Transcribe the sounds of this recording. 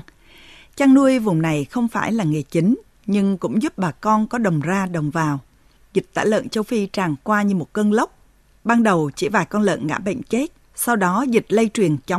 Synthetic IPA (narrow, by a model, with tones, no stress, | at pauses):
t͡ɕaː˧ŋnu˧əjvʊ˨˩ŋ͡mna˨˩jxə˧wŋ͡mfaː˧˩jlaː˨˩ŋe˨˩t͡ɕi˨˦ŋ̟ | ɲɨ˧ŋkʊ̰˧˥ŋ͡mzu˦˥p̚ɓaː˨˩kɔ˧nkɔ˨˦ɗə˨˩wŋ͡mzaː˧ɗə˨˩wŋ͡mvaː˨˩w | zi˨˩t̚t̪a̰ː˧˩jlə̰ː˧˨nt͡ɕə˧wfi˧t͡ɕaː˨˩ŋkwaː˧ɲɨ˧mo˨˩t̚kəː˧nlə˦˥wk͡p̚ | ɓaː˧nɗə˨˩wt͡ɕḭ˧˩vaː˨˩jkɔ˧nlə̰ː˧˨nŋa̰ː˧˥ɓə̰˧˨ŋ̟t͡ɕe˦˥t̚ | sa˧wɗɔ˨˦zi˨˩t̚lə˧jt͡ɕwi˨˩ənt͡ɕa˨˦